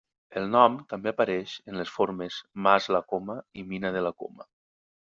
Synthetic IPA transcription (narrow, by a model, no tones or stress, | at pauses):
əlˠnɔmt̪ambeapaɾɛʃənləsfoɾmezmazlakoməiminəðəlako̰mə̰